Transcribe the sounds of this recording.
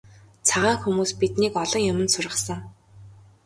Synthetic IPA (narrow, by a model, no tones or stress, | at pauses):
t͡sʰaʁaːŋxumuːspit̪niːkɔɮɞ̆ŋjʊmə̆nsʊrʁə̆sə̆ŋ